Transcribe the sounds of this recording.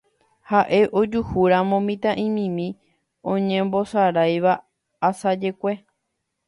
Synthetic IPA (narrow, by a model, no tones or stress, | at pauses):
haʔe̞ʔo̞d͡ʒuhuɾãmõmĩt̪ãʔĩmĩmĩ | õɲẽmbo̞saɾajʋaː | sad͡ʒe̞kʷe̞